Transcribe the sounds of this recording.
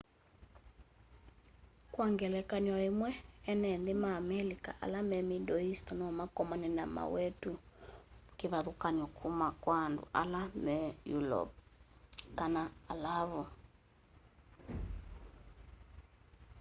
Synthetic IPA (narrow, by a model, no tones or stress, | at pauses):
kwaŋɡɛlɛkaɲwaemwɛɛnɛnðemaːmɛlika̰ʔa̰lamɛmidɔistɔnɔmakɔmɔnɛna̰ma̰wɛtu | keβaðukaɲɔkʰumakwaːndṵʔa̰lamɛjulɔ̰p̚ | kanaːlaβɔ